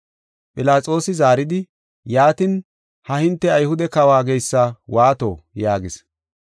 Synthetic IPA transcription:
pʼɪlaːt͡sʼo̞ːsɪzaːɾɪd̪ɪ | jaːt̪ɪn | hɐhɪnt̪ːɛɐjhʊd̪ɛkɐwaːɡejsːɐwaːt̪o̰ːjaːɡɪs

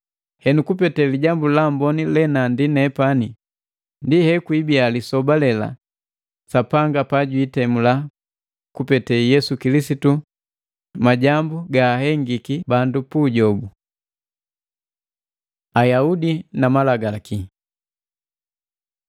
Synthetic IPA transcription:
hɛnukupɛtɛliɟambulambɔnilɛnandinɛpani | ndihɛkwibialisɔbalɛla̰ | sapaŋɡapaɟwiːtɛmula | kupɛtɛjɛsukilisitu | maɟambuɡaːhɛŋɡikibandupuɟɔbu | ajaudinamalaɡaki

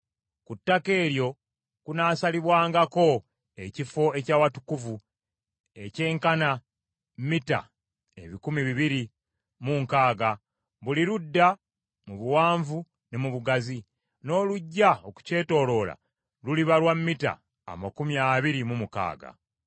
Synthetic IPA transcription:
kutːake̞ːɾjo̞ | kunaːsaliβwaːŋɡako̞ | e̞cifo̞e̞caːwatu̥kuvu | e̞ce̞ːŋkana | mmita̰ | e̞̰βikumiβiβiɾi | muŋkaːɡa | βuliɾudːa | muβuwaːɱvu | ne̞muβuɡazi | no̞ːluɟːaoku̥ce̞ːto̞ːlo̞ːla̰ | luliβalwamːita̰ː | makumjaːβiɾimumuka̰ːɡa̰

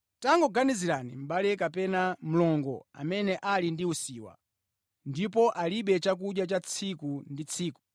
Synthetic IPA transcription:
taŋɡɔɡaniziɾanḭm̩ɓalɛkapɛnam̩lɔŋɡɔ̰a̰mɛnɛʔalindiusiːwa̰ | ndipɔʔaliɓɛt͡ʃak̬uɗjat͡ʃat͡sʰikundit͡sʰiːku̥

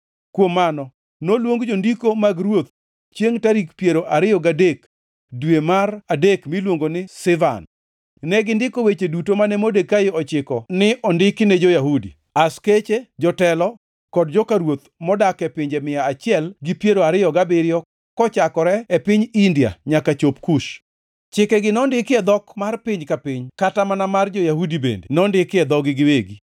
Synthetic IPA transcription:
kwomːanɔ | nolwoŋɡd͡ʒondikomaɡɾwot̪̚ | t͡ʃjeŋtaɾikpjeɾoʔaɾɪjɔɡadek | dwemaɾadekmilwoŋɡonɪsɪva̰n | nɛɡɪndɪkowet͡ʃedutomanɛmodekaɪɔt͡ʃɪkɔnɪʔɔndɪknɛd͡ʒojaɦudḭ | asket͡ʃed͡ʒɔtɛlɔ | kɔdd͡ʒɔkaɾwot̪mɔdakɛpɪɲd͡ʒemɪjaːt͡ʃɪɛlɡɪpjeɾoaɾɪjɔɡabɪɾɪjɔ | kɔt͡ʃakɔɾɛɛpɪɲindija̰ɲakat͡ʃopkuʃ | t͡ʃɪkɛɡɪnɔndɪkɪɛd̪ɔkmarpɪɲkapɪɲkatamanamard͡ʒojahudibḛndḛnɔndɪkɪɛd̪ɔɡɪɡɪweɡi

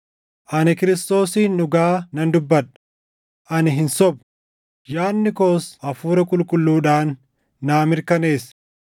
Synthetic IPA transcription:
ʔɐnɪkɪɾɪst̪o̞ːsiːnːʊɡaːnɐnd̪ʊbːɐᶑɐ̥ | ʔɐnɪɦɪnsɔb̚ | jaːnːɪko̞ːsʔɐfuːɾɐkʼʊlkʼʊlːuːᶑaːnː | aːmɪɾkɐne̞ːs

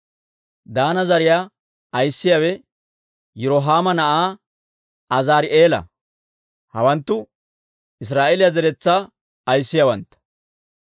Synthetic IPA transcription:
d̪aːnɐzɐɾɪjaː | ɐjsːɪjaːwɛ | jʊɾɔɦaːmɐnɐʔaː | ɐzaːɾɪʔeːlɐ̰ | hɐ̰wɐnt̪ːʊ | ɪs̬ɾaːʔelɪjazɛɾɛt͡sːa | ɐjsːɪjawɐ̰nt̪ɐ̥

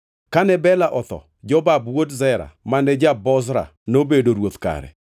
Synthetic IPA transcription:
kanɛbɛlaʔɔt̪ɔ̰ | d͡ʒɔbabwodzɛɾa̰manɛd͡ʒabɔzɾa̰ | nobedoɾwot̪ka̰ɾɛ̰

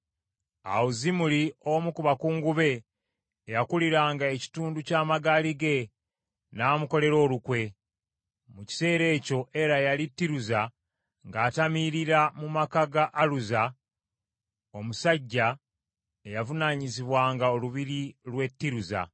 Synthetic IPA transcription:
a̰wuzimuliomukuβakuːŋɡuβe̞ː | jakuliɾaːŋɡae̞ci̥tuːnducaːmaɡaliɡe̞ | naːmuko̞le̞ɾo̞ːlukwe̞ | muci̥se̞ːɾe̞ːco̞ʔe̞ɾajalitːiɾuza | ŋɡaːtamiɾiɾamumakaɡaʔːluza | o̞musaɟːa | ejavunaːɲiziβwaːŋɡaoluβiɾilwe̞tːiɾuza̰

